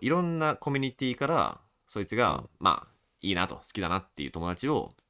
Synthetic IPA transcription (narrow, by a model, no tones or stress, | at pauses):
iɾõ̞nːako̞mʲiɲ̟it̪ʲiːkaɾa̰ | so̞it͡sɨɡa̰ma̰ː | iːnat̪o̞̰sɨ̥id̪anat̪ːe̞jɯ̟̰t̪o̞mo̞d̪at͡ɕio̞̰